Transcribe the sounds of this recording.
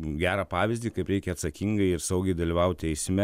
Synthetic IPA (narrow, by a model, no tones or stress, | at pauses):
ɡʲæːɾɑːpɑːʋʲɪzʲd̪ʲiːkɐɪpɾʲɛɪkʲɛɐt̪sɐkʲiŋɡɐɪɪɾsɐʊɡʲɛɪd̪ɐlʲiʋɐʊt̪̚ʲt̪ʲɛɪsʲmʲɛ